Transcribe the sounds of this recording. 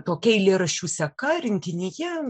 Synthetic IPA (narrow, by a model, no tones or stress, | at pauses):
t̪oːkʲɛɪlʲeɾɐʃʲuːsʲɛkɐɾʲɪŋʲkʲɪnʲɪjɛ